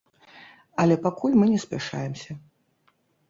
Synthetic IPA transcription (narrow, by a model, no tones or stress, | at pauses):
ɐlʲɛpakulʲmɨnʲɛsʲpʲaʂa̰jɛmsʲɐ